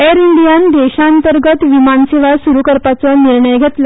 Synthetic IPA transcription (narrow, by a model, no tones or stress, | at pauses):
eɾiɳɖijand̪eɕaːnt̪əɾɡət̪ʋimanseʋasuɾukəɾpat͡sɔniɾɳəjɡʱet̪la